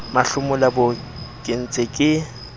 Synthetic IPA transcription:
maɬʊmʊlabʊ | kʼɪn̩t͡sʼɪkʼɪ

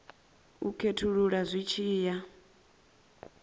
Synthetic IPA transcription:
ukʰetʰuɺuɺazʷit͡ʃʰiːja

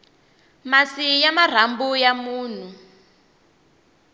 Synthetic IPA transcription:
masijamar̤ambujamuːn̤u

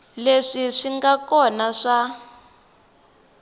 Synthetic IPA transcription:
leʂiʂiŋɡakɔnaʂa

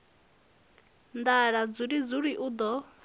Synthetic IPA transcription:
nd̪aɺad͡zuɾid͡zuɺiʔud̪ɔ

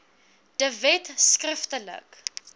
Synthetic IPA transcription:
d̥əvɛtskrəftələ̰k

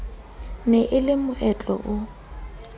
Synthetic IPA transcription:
nɛʔɪlɪmʊʔɛt͡ɬʼɔ̰ʔʊ

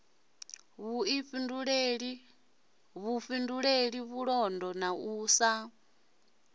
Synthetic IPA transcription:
βuiɸinduɺeɺi | βufinduɺeɺiβuɺɔndɔnauːsa

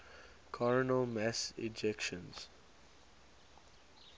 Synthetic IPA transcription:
kʰɔɹənəmɛsɪ̰d͡ʒɛkʃə̃nz̥

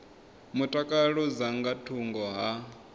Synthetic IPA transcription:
mutʼakʼaɺud͡zaŋɡatʰuŋɡɔɦa

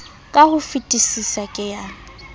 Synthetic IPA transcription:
kʼahʊfitʼisisakʼɪja

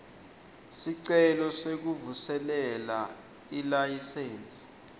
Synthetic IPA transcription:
siǀɛlɔsek̬uvusɛlɛla | ilajisɛːns

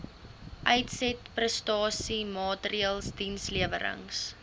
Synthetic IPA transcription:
ʔɛjtsɛtprəstɑːsimɑːtəɾiəlˠsdinsliəvə̰ɾə̰ŋs

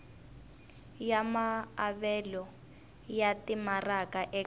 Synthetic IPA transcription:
jamaːβɛlɔ | jatimarakaʔɛ

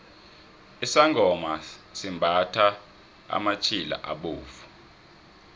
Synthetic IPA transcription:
isaŋɡʱɔmasimbʱatʰa | a̰mat͡ʃʰila̰ʔa̰ɓoːfu̥

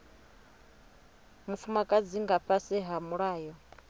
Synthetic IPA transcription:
mufumakʼad͡ziŋɡaɸʰasɛɦamuɺaːjɔ

